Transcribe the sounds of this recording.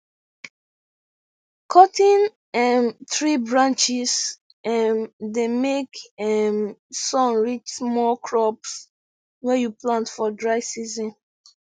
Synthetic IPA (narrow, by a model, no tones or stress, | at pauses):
kʰɔtĩn | ɛnθɹibɹãnt͡ʃis | ɛ̃ndemekɛmsɔ̃nɹit͡ʃmɔkʰɹɔps | wɛjuplãntfɔdɹaɪsizɔ̃n